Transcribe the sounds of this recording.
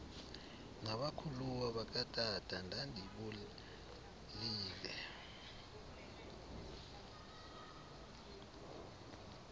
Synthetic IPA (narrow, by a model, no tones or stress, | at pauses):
ŋaɓakʰuluwaɓak̬ʼatʼatʰʼandʱandʱiɓul | liːlɛ